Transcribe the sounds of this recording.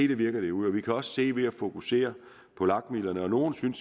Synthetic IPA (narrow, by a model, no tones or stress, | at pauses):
ḛd̥əʋiɐɡ̥ɐd̥e̝uð̰ˠɒ̽ʋikʰæɒ̽sse̝̰ːʋe̝æfo̝kʰuse̝̰ːɐ | pʰɒ̽lɑ̈ɡ̥milɐnəɒ̽no̝ːnsyns